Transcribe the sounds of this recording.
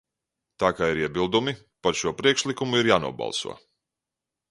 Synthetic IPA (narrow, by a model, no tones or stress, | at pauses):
t̪aːkaːiɾiɛbilˠd̪umi | paɾʃuɔpɾiɛkʃlˠikumuiɾjaːnṵɔbɑ̰lˠsṵɔ